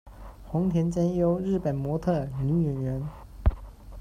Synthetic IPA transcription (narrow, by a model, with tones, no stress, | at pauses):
xʊ˧˥ŋt̪ʰjɛ˧˥nt͡ɕa˥njo˥ʊɻɻ̩˥˩pə˨˩nmwɔ˧˥t̪ʰɤ˥˩ni˧˥ɥɛ˨˩nɥɛ˧˥n